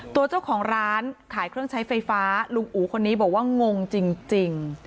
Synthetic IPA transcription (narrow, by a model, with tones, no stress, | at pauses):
t̪u˧ɐt͡ɕa˥˩wkʰɔː˩˦ŋɾaː˦˥nkʰaː˩˦jkʰɾɯ˥˩əŋt͡ɕʰa˦˥jfa˧jfaː˦˥lu˧ŋʔuː˩˦kʰo˧nːiː˦˥bɔː˨˩k̚waː˥˩ŋo˧ŋt͡ɕi˧ŋt͡ɕi˧ŋ